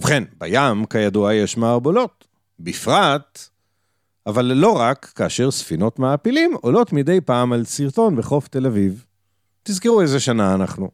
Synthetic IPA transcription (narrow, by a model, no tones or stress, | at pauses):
vχenba̰jamkajaduajeʃmaːʁbolo̞t̪ | bifʁat̪ | avalːo̞ʁakːaːʃeʁsfino̞tmaːpilimolo̞tmidejpaːmalsiʁt̪o̞nbeχo̞fte̞laviv | t̪izkiʁuezeʃanaːnaχnu